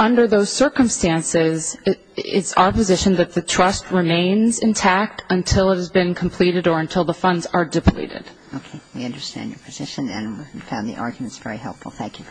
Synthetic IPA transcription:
ʌ̃ndə˞ðoʊz̥sɜ˞kə̃mstæ̃nsɪz | ɪ̰tsa̰ʊə˞pɨzɪʃɨ̃nðɨt̪̚ðɨtʰɹ̥ʌst̚ɹɨmẽɪ̃nzɨ̃ntʰæk̚tʰə̃ntʰɪlˠət̚hɨzbɨ̃nkʰm̩pʰl̥iɾɨɾə˞ɨ̃ntʰɪlˠðəfʌ̃ndzə˞dɨpʰl̥ḭɾɪ̰d̥ | oʊkʰeɪwiʌ̃ndə˞stæ̰̃njə̰˞pʰɨz̥ɪʃɨ̃nɨ̰̃nwiifãʊ̃nðḭʔɑ̰ɹɡjmɨ̃ntsv̥ɛɹihɛ̰lˠpfl̩ˠθæ̃ŋkʰjʉ

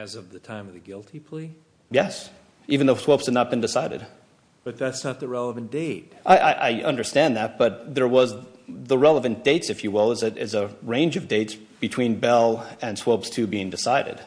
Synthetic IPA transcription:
ɨzʌvðɨtʰãɪ̃mʌvðɨɡɪlˠtʰipʰl̥i | jɛs | ivɨ̃n̩ðoʊswoʊpshɨdⁿnət̚b̥ɨ̃ndɨsaɪɾɨ̰d̥ | b̥ʌt̪̚ðætsnət̪̚ðɨɹɛlˠəvɨ̃nd̥eɪt̚ʔaɪʔa̰ɪʔa̰ɪʌ̰̃ndə˞stæ̃nðæt̚b̥ʌt̪̚ðə˞wʌzðəɹɛlˠəvɨ̃nd̥eɪtsɨfjɨwɪlˠəzɨɾɪzəɹẽɪ̃nd͡ʒʌvdeɪts | b̥ɨtʰw̥ĩnbɛlˠɨ̃nswoʊpstʰʉbiɪ̃ŋdɨsaɪɾɨ̰d̥

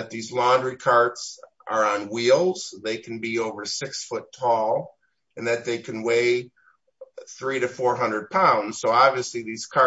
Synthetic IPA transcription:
ɨt̪̚ðizlɑ̃ndɹikʰɑɹts | ə˞ə̃nwilˠz̥ðeɪkʰn̩bioʊvə˞sɪksfʊtʰɔlˠ | ɨ̃nðɨt̪̚ðeɪkʰɨ̃nweɪ | θɹiɾɨfɔɹɦʌ̃ndɹəd̚pʰãʊ̃ndz̥soʊɑbviɨsliðiz̥kʰɑ

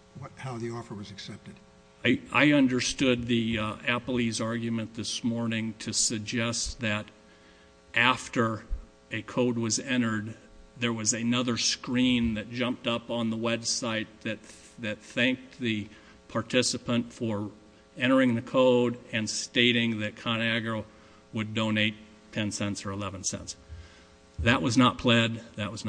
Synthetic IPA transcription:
wʌthaʊðiɔfə˞wʌzɨksɛp̚tɨd̥ | aɪa̰ɪʌ̃ndə˞stʊd̪̚ðiæpl̩ˠizɑɹɡjmɨ̃nðɪsmɔɹnɪ̃ŋtʰɨsɨɡ̚d͡ʒɛst̪̚ðɨɾ | ʔæftə˞ | ɨkʰoʊd̚wʌzɛ̃ɾ̃ə˞d̪̚ | ðə˞wʌzɨnʌðə˞skɹĩnðɨt̚d̥ʒ̥ʌ̃mp̚tʌpn̩ðəwɛbsaɪt̪̚ðɨt̪̚ | ðɨt̪̚θæ̃ŋk̚ðɨ | pʰɑɹtʰɪsəpə̃ntfə˞ | ɛ̃ɾ̃ə˞ɪ̃ŋðɨkʰoʊɾɨ̃nsteɪɾɪ̃ŋðɨt̚kʰɑnæɡəʊ | wədõʊ̃neɪt | tʰɛ̃nsɛ̃ntsə˞əlɛvə̃nsɛ̰̃nts | ðɨʔ̚wʔʌznət̚pʰl̥ɛd̪̚ðɨʔ̚wʌzn

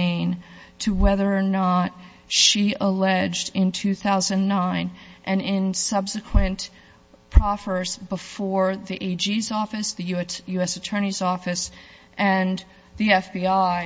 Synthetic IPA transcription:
ɪ̃ntʰɨwɛðə˞ːnət̚ | ʃiʔəlɛd͡ʒdɪ̃ntʰʉθaʊzɨ̃nːãɪ̃nʔɨ̃nɪ̃nsʌbsɨkʰwɨ̃n | pʰɹ̥ɑfə˞zbəfɔɹðiʔeɪd͡ʒizɔfɨsðɨjʉjʉɛsɨtʰɜ̃˞ñizɔfɨs | ʔɨ̃n | ðiɛfb̥iaɪ

